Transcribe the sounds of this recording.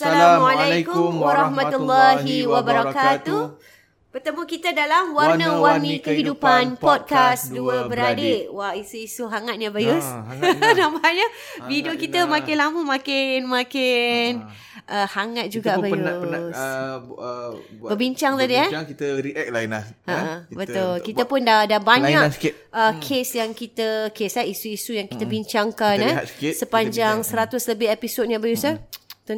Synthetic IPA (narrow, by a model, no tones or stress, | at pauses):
salamalajkʊmwaɾahmat̪ulːaɦiwabəɾakkat̪uh | bərt̪əmukit̪adalamwaɾrnəwarnĩkəɦidupanpɔd̚kasduəbəɾadeʔwaisuisuɦaŋat̪̚ɲabajʊsnamaaɲa | bidokit̪əmakɪnlamumakɪnmakɪn | ʔəhaŋat̪̚d͡ʒuɡaʔbajʊs | bəbiɲt͡ʃaŋt̪adiakit̪əɾiʔɛk̚lainlahəʔəbət̪ʊlkit̪əpʊndadabaɲaks | ʔəkʰesjaŋkit̪əkeslaisuisujaŋkit̪əbiɲt͡ʃaŋkannasksəpanɲd͡ʒaŋsəɾat̪ʊsləbɪhepisot̪̚ɲabajʊsat̪u